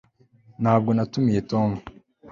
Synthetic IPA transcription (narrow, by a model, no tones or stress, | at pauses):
nhaːb̚ɡo̞natumije̞toːmu